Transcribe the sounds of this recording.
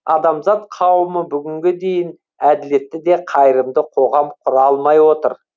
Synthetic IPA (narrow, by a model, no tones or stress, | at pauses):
ɑd̪ɑmzɑt̪̚qʰɑwəməbʏɡʲɪŋɡʲed̪e̞jɪn | æd̪ɪle̞t̪ːɪd̪e̞qʰɑjɾəmd̪əqʰo̞ʁɑmqʰʊɾɑlˠmɑjwo̞t̪əɾ